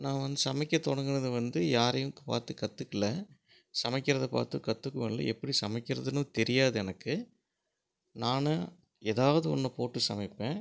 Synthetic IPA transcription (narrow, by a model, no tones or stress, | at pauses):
nãːʋɐnd̪ɯsɐmɐɪkːɐt̪ɔɽɐŋɡɯnɐðɯʋɐnd̪ɯjaːɾɐjɯmɯkːɯ̥pa̰ːɾt̪ɯkɐt̪ːɯkːɪlːɐ | sɐmɐɪkːɪɾɐðɐpa̰ːɾt̪ɯkɐt̪ːɯkːɯmɐllːɐ̰ɛpːɐɽisɐmɐɪkːɪɾɐðɯnɯ̃t̪ɛɾɪjaːðɯɛnɐkːɯ | naːnɐ | eːðaːʋɐðɯɔ̰nːɐpoːʈːɯsɐmɪpːẽː